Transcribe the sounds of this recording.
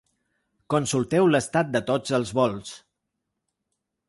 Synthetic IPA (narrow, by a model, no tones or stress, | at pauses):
konsulˠt̪ɛwləst̪at̪̚d̪ət̪od͡zəlˠzβɔlˠs